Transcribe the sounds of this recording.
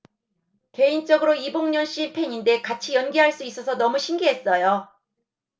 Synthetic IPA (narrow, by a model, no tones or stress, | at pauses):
ke̞int͡ɕ͈ʌɡɯɾoiboŋɲʌnɕ͈ipʰe̞ɲinde̞kat͡ɕʰijʌnɡiɦaɭs͈uis͈ʌsʰʌnʌmuɕʰimɡiɦe̞s͈ʌjo